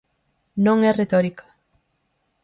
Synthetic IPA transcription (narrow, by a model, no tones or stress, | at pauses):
nõŋɛret̪ɔɾikḁ